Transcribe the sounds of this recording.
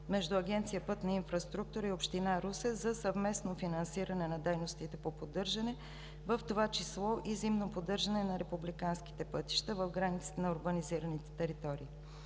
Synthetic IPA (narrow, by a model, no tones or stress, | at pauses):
mɛʒd̪ʊɐɡɛnt̪sijəpɤt̪nɐinfɾɐst̪ɾuk̚t̪uɾəiopʃt̪inaɾusɛzɐsɐvmɛsnofinɐnsiɾɐnɛnɐd̪ɛjnost̪it̪ɛpopod̪ɤɾʒɐnɛ | vəft̪ovat͡ʃislˠɔʔizimnopod̪ɤɾʒɐnɛnɐɾɛpublikanski̥t̪ɛpɤt̪i̥ʃt̪əvəvɡɾanit̪si̥t̪ɛnɐʊɾbəniziɾɐnit̪ɛ̥t̪ɛɾit̪ɔɾiː